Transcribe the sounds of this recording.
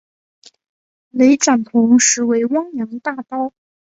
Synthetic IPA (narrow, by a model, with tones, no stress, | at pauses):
le˧˥ɪʈ͡ʂa˨˩nt̪ʰʊ˧˥ŋʂɻ̩˧˥we˧˥ɪwɑ˥ŋjjɑ˧˥ŋd̪ə˧t̪a˥˩t̪ɑ˥ʊ